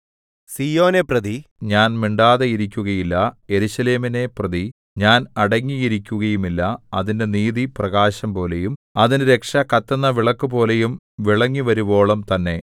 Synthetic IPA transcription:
siːjo̞ːneprɐðiɲaːnmiɳɖaːðeiɾikʲːuɣɐjilːɐje̞ɾuɕɐle̞ːmine̞prɐði | ɲaːnɐɽɐŋːijiɾikʲːuɣɐjumilːɐɐðinde̞niːðiprɐɣaːɕɐmpo̞ːle̞jumɐðinɨɾe̞kʂɐkɐt̪ːɐnːɐʋiɭɐkːubo̞ːle̞jum | ʋiɭɐŋːiʋɐɾubo̞ːɭɐmt̪ɐnːe̞

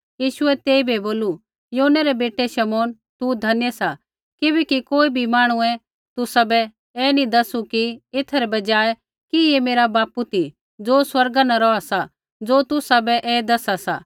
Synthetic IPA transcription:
jiːʃʊɛt̪eːibʱiboːlu | joːnɛɾɛbeːʈeʃɐmɔːn | t̪ud̪ʱɐnjəsa | kɪbɛːkikoːibʱimaːɽ̃uɛ̃ | t̪ʊsabɛ | ɛːnid̪ɐsukiɪt̪ʰɛɾɛbɐd͡ʒaːɛ | kiemeːɾabaːput̪ʰi | d͡zoːswɐɾɡanaɾɔasa | d͡zoːt̪ʊsabɛʔɛːd̪ɐsasa̰ː

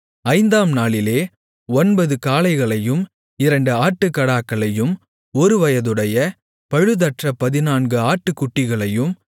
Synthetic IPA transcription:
ɐɪnd̪aːmnaːɭɪleː | ɔnbɐðɯkaːlɐɪɣɐɭɐjɯm | ɪɾɐɳɖɯaːʈːɯkːɐɽaːkːɐɭɐjɯm | ɔɾɯʋɐjɐðɯɽɐjɐ | pɐɻɯðɐʈrɐpɐðɪnaːnɡɯaːʈːɯkːʊʈːɪɣɐɭɐjɯm

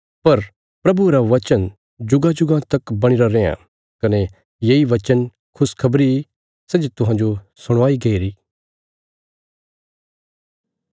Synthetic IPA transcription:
pɐɾ | pɾɐbuɾaʋɐt͡ʃən | d͡ʒʊɡad͡ʒʊɡãt̪ɐkbɐɽ̃ɪɾaɾeːã̰ | kɐne | jeːiʋɐt͡ʃən | kʰʊskʰɐbɾi | sɛd͡ʒt̪ʊɦãːnd͡ʒo | sʊɽ̃ʋaːiɡɐiɾiː

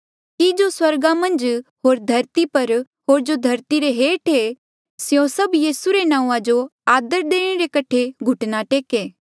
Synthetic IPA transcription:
kid͡ʒoswɐɾɡamɐ̃nd͡ʒɦoːɾd̪ʱɐɾt̪ipɐɾ | ɦoːɾd͡ʒod̪ʱɐɾt̪iɾeɦeːʈʰe | sjõsɐbjiːsuɾenãːũãd͡ʒoaːd̪əɾd̪eːɽ̃eɾekɐʈʰeɡʱʊʈnaʈeːkeː

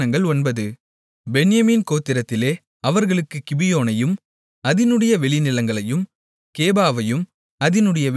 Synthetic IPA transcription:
ɐŋɡɐɭɔnbɐðɯ | bɛɳɪjɐmiːnkoːt̪ːɪɾɐt̪ːɪleː | ɐʋɐɾɣɐɭɯkːɯkɪbɪjoːnɐjɯm | ɐðɪnɯɽɐjɐʋɛɭɪnɪlɐŋɡɐɭɐjɯm | keːbaːʋɐjɯm | ɐðɪnɯɽɐjɐ

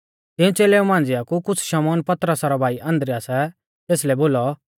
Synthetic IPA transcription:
t̪ɪ̃ũt͡seːlɛːũmãːnd͡zɪjakukʊt͡sʰʃɐmɔːnpɐt̪ɾəsaɾɔbʱaːiʔɐ̃nd̪ɾiasɛ | t̪eːslɛboːlɔ

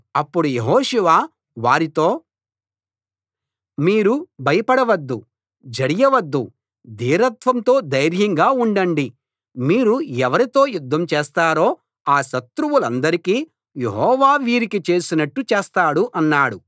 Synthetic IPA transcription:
ɐpːuɽujeɦɔːʃɛʋaː | ʋaːɾit̪o̞ː | miːɾubʱɐjɐpɐɽɐʋɐd̪ːu | d͡ʒɐɽijɐʋɐd̪ːṵ | d̪iːɾɐt̪ʋɐnt̪o̞ːd̪ɐjɾjɐŋɡaːuɳɖɐɳɖi | miːɾuɛʋɐɾit̪o̞ːjud̪ʱːɐmt͡ʃɛːst̪aːɾo̞ː | aːʃɐt̪ɾuʋulɐnd̪ɐɾikiː | jeɦɔːʋaːʋiːɾikit͡ʃe̞ːsinɐʈːut͡ʃeːst̪aːɽuʔɐnːaːɽu

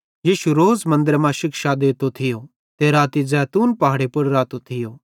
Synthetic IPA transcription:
jiːʃuɾoːd͡zmɐ̃nd̪əɾmãʃɪkʃad̪eːt̪ot̪ʰɪjo | t̪eɾaːt̪izɛːt̪uːnpɐɦaːɽepɐɽɾaːt̪ot̪ʰɪjoː

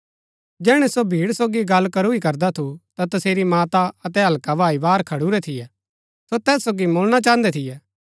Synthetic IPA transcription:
d͡ʒɛːɽ̃ɛsobʱiːɽsoːɡiɡɐlːkɐɾuikɐɾd̪at̪ʰut̪at̪ɐseːɾimaːt̪aɐt̪ɛɦɐlkabʱaːibaːɾkʰɐɽuɾɛt̪ʰɪjɛː | sot̪ɛːsːoːɡimoːlɽ̃at͡ʃãːə̃nd̪ɛt̪ʰɪjɛː

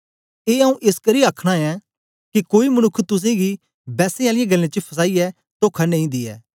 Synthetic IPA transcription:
eːɐũʔɪskɐɾiaːkʰɽ̃aɛ | kikoːimɐnʊkʰːt̪ʊs̬ẽɡi | bɛːsẽaːlɪjɛɡɐlːẽt͡ʃəpʰɐs̬aːiɛ | t̪oːkʰɐnẽĩd̪iɛ̰ː

